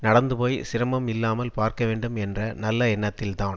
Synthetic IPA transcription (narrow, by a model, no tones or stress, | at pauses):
nɐɽɐnd̪ɯpoːjsɪɾɐmɐmɪlːaːmɐlpaːɾkɐʋeːɳɖɯmɛndrɐnɐlːɐɛnːɐt̪ːɪlt̪aːn